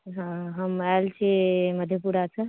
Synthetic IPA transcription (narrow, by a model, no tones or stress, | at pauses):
ɦãɦəmajlt͡ʃʰiməd̪ʱjəpuɾat͡ʃʰə